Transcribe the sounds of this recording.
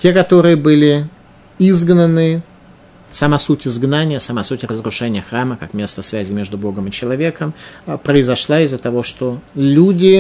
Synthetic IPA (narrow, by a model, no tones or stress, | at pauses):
tʲe̞kɐt̪o̞ɾɨjəbɨlʲɪ | izɡnənɨ | sɐmasutʲɪzɡnanʲɪjəsɐmasutʲɪrəzɾʊʂɛnʲɪjəxraməkakmʲe̞st̪əsvʲæzʲɪmʲe̞ʐd̪ʊbo̞ɡəmɨt͡ɕɪlˠɐvʲe̞kəmpɾəɪzɐʂlˠaɪzːət̪ɐvo̞ʂt̪olʲudʲɪ